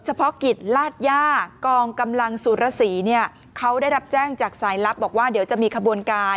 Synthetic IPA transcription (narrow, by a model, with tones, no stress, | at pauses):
t͡ɕʰa˧pʰɔ˦˥ki˨˩t̪̚laː˥˩t̪̚jaː˥˩kɔː˧ŋka˧mla˧ŋsuː˨˩ɾa˧˥siː˩˦ni˥˩ɐə | kʰa˦˥wdaː˥˩jɾa˦˥p̚t͡ɕɛː˥˩ŋt͡ɕaː˨˩k̚saː˩˦jla˦˥p̚bɔː˨˩k̚waː˥˩di˩˦wt͡ɕa˨˩miː˧kʰa˧bu˧ənkaː˧